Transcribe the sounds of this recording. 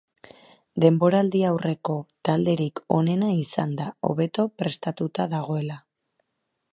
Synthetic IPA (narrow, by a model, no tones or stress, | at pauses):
d̪e̞mbo̞ɾald̪iawre̞ko̞t̪ald̪e̞ɾiko̞̰ne̞naisand̪ao̞̰βe̞t̪o̞pɾe̞st̪at̪ut̪aðaɣo̞e̞la